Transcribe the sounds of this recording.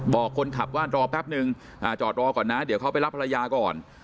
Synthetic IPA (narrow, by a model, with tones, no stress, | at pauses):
bɔː˨˩kʰːo˧nkʰa˨˩p̚waː˥˩ɾɔː˧pʰɛ˦˥p̚nɯ˧ŋ | ʔaː˨˩t͡ɕɔː˨˩t̪̚ɾɔː˧kɔː˨˩nːa˦˥di˩˦wkʰa˦˥wpa˧˨jɾa˦˥pʰːa˧a˧jaː˧kɔː˨˩n